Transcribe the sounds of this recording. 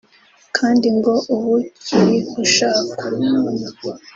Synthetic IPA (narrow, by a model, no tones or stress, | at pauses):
kʰaːndiŋɡo̞ʔuβuciɾikuʃaːku